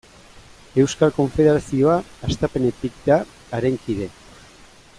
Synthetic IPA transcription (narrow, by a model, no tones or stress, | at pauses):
e̞wskalko̞ɱfe̞ðe̞ɾasio̞aːst̪ape̞ne̞t̪ik̚d̪aː | ɾeŋkiðe̞